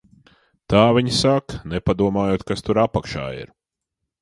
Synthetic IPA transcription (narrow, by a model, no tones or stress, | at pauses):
t̪aːvʲiɲsaknɛpad̪uɔmaːjuɔt̪kast̪uɾapakʃa̰ːḭɾ